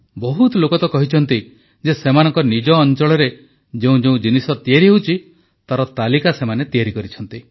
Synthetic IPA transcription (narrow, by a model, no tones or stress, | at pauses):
bɔɦut̪ɔlokɔt̪ɔkɔɦit͡ʃʰɔnt̪i | d͡ʒesemanɔŋkɔnid͡ʒɔːnt͡ʃɔɭɔɾe | d͡ʒeũd͡ʒeũd͡ʒinisɔt̪iaɾiɦewt͡ʃʰi | t̪aɾɔt̪alikasemanet̪iaɾikɔɾit͡ʃʰɔnt̪i